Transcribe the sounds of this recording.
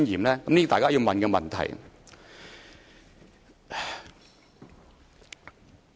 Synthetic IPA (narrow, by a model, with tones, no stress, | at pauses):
njiː˨˩mlɛː˦˥kɐ˨˦mliː˥˧t̪aː˨kaː˥jiː˨˧wmɐ˨nkɛ˧mɐ˨nt̪ʰɐ̰˨˩j